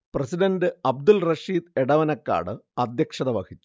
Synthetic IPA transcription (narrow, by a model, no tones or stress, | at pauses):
prɐsiɖɐndɨɐb̚d̪ulrɐʂiːd̪eɽɐʋɐnɐkːa̰ːɽɨɐd̪jɐkʂɐðɐʋɐkʰit͡ɕːu̥